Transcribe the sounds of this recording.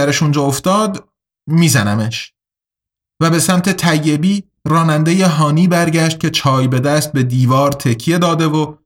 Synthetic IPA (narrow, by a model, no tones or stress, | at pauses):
æɾeʃund͡ʒɒːoft̪ɒːd̪ | miːzænæme̞ʃ | væbe̞sæmt̪ʰe̞t̪ʰæjːe̞biː | ɾɒːnænd̪e̞jeɦɒːniːbæɾɟæʃt̪̚cʰʲe̞t͡ʃʰɒːjbe̞d̪æst̪̚be̞d̪iːvɒːɾt̪ʰe̞cʰije̞d̪ɒːd̪e̞vo